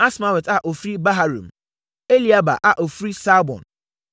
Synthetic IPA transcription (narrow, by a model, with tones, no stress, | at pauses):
a˦sma˨˦wɛ˨ta˨ʔo˨fɾi˦ba˦ɦa˦ɾṵ̃˨m | e˦li˦a˦ba̰˨ʔa˨ʔo˨fɾi˦sa˦bɔ̰̃˨n